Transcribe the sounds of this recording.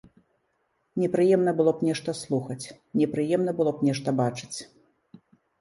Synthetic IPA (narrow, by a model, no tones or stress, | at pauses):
nʲɛpɾɨjɛmnɐbɨlˠɔpnʲɛʂt̪ɐslˠuxɐt͡sʲ | nʲɛpɾɨjɛmn̪ɐbɨlˠɔpnʲɛʂt̪ɐbat͡ʂɨ̥t͡sʲ